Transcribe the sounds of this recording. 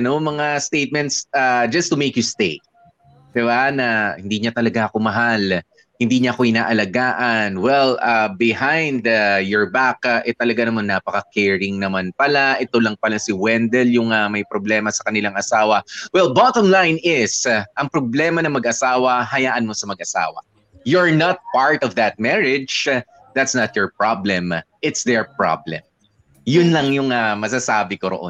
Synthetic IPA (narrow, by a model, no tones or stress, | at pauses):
nomɐŋast̪ejt̪̚mɛnt̪sad͡ʒɐst̪ʊmejkjʊst̪e | d̪̥ɪbanɐhɪnd̪iɲat̪ɐlɐɡaʔɐko̞mɐɦal | hɪnd̪iːɲɐʔɐkoʔɪnaːʔɐlɐɡaːʔɐnwɛlabɪhãjnd̪ajɔɹbakʔɛt̪ɐlɐɡanɐmanːapɐkɐkɛɹɪŋnɐmanpɐlaʔɛt̪o̞lɐŋpɐlasɪwɛnd̪ɛljʊŋɐmɐjpɾoblɛːmɐsɐkɐnɪlaŋʔɐsaːwɐwɛlbɑt̪omlajnɪsʔɐŋpɾoblɛːmɐnɐŋmɐɡʔɐsaːwɐɦɐjaːʔɐnmo̞sɐmɐɡ̚ʔɐsa̰ːwɐ̰ | jɔɹnɐt̪̚paɹt̪ɔvd̪ɐt̪̚mɛɹɪd͡ʒ | ðat̪snɐt̪̚jɔɹp̚ɹablɛ̃mʔɪt̪sd̪ɛɹpɹɑ̰blɛ̰̃m | jʊnlɐŋjʊŋɐmɐs̬asaːbɪkoɾo̰ʔo̰n